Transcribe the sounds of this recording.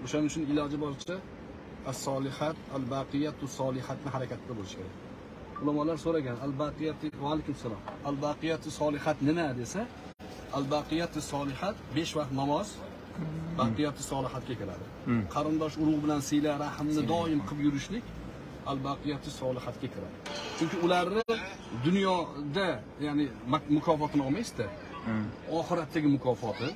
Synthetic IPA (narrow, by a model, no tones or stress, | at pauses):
oʃanɪʊt͡ʃʰʊnɪlɒd͡ʒɪbɒt͡ʃʰa | asːɒlˠɪhat̪albaqɨjat̪ʰʊsɒlˠɪhat̪nɪɦaɾakʲat̪ʰːd̪abolɪʃkʲe̞ɾa̰k̚ʲ | ʊlamɒlaɾsoɾaɡʲanalbaqʰɨjat̪ʰɪvalˠɪkʲɪmsalˠɒmalbaqɨjat̪ʰɪsɒlˠɪhat̪nɪmad̪e̞sa | albɑqɨjat̪ʰɪsɒlˠɪhat̪be̞ʃvɑq̚t̪nɒmɒz̥ | baqʰɨjat̪ʰɪsɒlˠɪhat̪̚kʲakʲʰɪɾa̰d̪ɪ | qʰɑɾɨnd̪ɒʃʊɾʊʁbɪlansɪjlaɾahmnɪd̪ɒɪmqʰɨpjʊɾɪʃlɪkʲ | alˠbaqʰɨjat̪ʰːɪsɒlˠɨhat̪̚kʲakʲʰɪɾa̰d̪ɪt͡ʃʰʊmkʲɪʊlaɾɪ | d̪ʊnjɒd̪a | jaʕnɪmʊkʰɒfɒt̪ʰɪnɒmajsd̪ɪ | ɒχɨɾat̪ʰːaɡʲɪmʊkʰɒfɒt̪ʰɪ